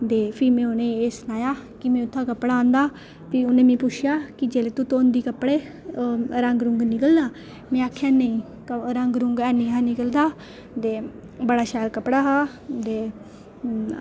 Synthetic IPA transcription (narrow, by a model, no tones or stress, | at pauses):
d̪eːpʰiːmɛ̃ːonẽːeːsnaːjaːkɪmɛ̃ːʊt̪ʰːãːkəpːɽaãːnd̪aː | pʰiʊnẽːmẽːpʊt͡ʃʰjaːkɪd͡ʒeːleːt̪ut̪oːnd̪iːkəpːɽeː | ɾəŋɡɾʊŋɡnɪkəlːaː | mɛ̃ːaːkʰːjaːneĩː | kəɾəŋɡɾʊŋɡɛːniːɦaːnɪkəld̪aː | t̪eː | bəɽaːʃɛːlkəpɽaːɦaː | d̪eː